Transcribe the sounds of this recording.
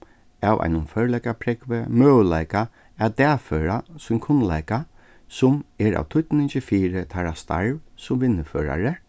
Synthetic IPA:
aːwʔa̰jnʊmfœɹlɛkapʰɾɛkʋəmøːlaɪka | at̪ɛːføːɹasʊmkʰʊnlajka | sʊmɛɾa̰ːwt̪ʰʊt̪nɪnt͡ʃɪfiːɾət̪ʰaɾast̪a̰ɹʋsʊmʋɪnːɪføːɹa̰ɹə

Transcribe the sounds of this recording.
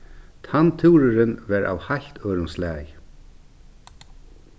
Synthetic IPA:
t̪ʰant̪ʰuːɾʏɾɪnvɛɾʔa̰whaj̥t̪ʰœːɾʊmslɛːj

